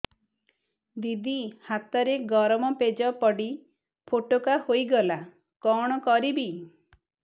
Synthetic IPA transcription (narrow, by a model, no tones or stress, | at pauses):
d̪id̪ihat̪ɔɾeɡɔɾmɔped͡ʒɔpɔɽi | pʰoʈokahojɡɔla | kɔɽ̃ɔkɔɾibi